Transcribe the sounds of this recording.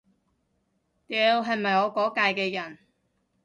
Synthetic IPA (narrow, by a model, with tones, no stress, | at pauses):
t̪ɛ˨˧wɦɐ˨jmɐ˨jŋɔː˨˧kɔː˨˥kaː˧jkɛː˧jɐ˨˩n